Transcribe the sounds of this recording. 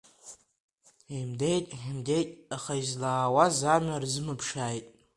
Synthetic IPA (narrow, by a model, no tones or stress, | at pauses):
imdejtʼħimde̞jtʼaχaizlaːwazamarzɨmɨpʰʂaːjtʼ